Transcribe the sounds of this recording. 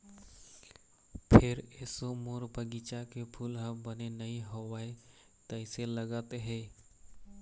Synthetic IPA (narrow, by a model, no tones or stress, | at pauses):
pʰɪɾesomoɾbəɡit͡ʃakepʰulɦəbənenəɦĩɦowaːe | t̪əseləɡaːt̪eɦɛː